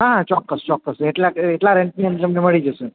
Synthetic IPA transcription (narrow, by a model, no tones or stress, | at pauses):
ɦãt͡ʃɔkːəst͡ʃɔkːəsteʈlaeʈlaɾeɳʈ̚nĩənd͡ʑəmneməɭid͡ʒəsən